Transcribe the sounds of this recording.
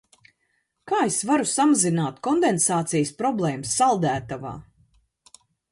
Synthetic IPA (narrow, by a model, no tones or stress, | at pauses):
kaːesvaɾusamazinaːt̪kɔnd̪ensaːt̪sijspɾɔblˠɛːmsːalˠd̪æːt̪ava̰ː